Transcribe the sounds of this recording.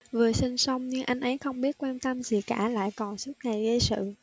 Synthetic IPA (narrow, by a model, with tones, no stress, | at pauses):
vɨ˨˩əsi˧ŋsa˧wŋ͡mɲɨ˧ŋʔa˧jŋ̟ʔə˨˦jxə˧wŋ͡mɓi˦˥ət̚kwaː˧nt̪ə˧mzi˨˩kaː˧˩la̰ː˧˨jkɔ˨˩nsu˦˥t̚ŋa˨˩jzə˧sɨ̰˧˨